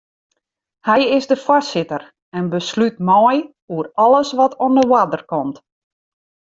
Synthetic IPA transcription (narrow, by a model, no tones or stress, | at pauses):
hɛjɪzdəfɔsɪtər | ɛnbəslyt̚mɔj | uəɾɔlˠəsʋɔtʰɔndəwadərkɔmt